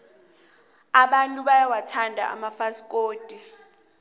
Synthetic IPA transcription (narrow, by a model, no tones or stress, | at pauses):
aɓantʼuɓajawatʰandʱa̰ʔa̰mafaskʼoːd̥ʱi